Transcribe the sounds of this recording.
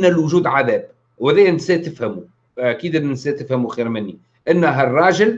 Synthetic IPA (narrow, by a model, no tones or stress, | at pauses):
nːælwʊʒuːd̪ʕaðæːb | wæðæjnsæt̪ɪfhæmu | ʔakiːd̪ɪnsæt̪ɪfhæmuxiːɾmɪnːi | ʔɪnːɦærˤːɑːʒɪl